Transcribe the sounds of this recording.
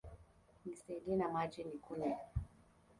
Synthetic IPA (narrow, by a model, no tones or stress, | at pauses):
nisɛiɗinamad͡ʒinikunɛ